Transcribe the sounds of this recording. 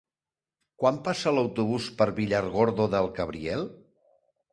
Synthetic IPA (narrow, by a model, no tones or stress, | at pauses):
kwampasələwt̪uβ̞uspəɾβiʎaɾɣoɾðoðəlˠkəβɾiɛlˠ